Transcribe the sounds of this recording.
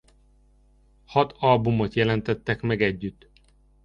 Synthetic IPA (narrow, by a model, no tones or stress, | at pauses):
hɒt̪ʰɒlbumot̪jɛlɛnt̪ɛt̪ːɛkmɛɡɛɟːyt̪ː